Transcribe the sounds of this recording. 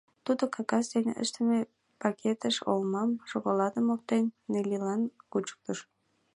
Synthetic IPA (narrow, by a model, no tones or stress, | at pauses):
t̪ud̪okʰɑɣɑsd̪enʲʔə̰ʃt̪əme | pɑkʲʰet̪əʃo̰lmɑmʃoɣolɑd̪əmok̚t̪enːelʲilɑnkut͡ɕə̥k̚t̪əʃ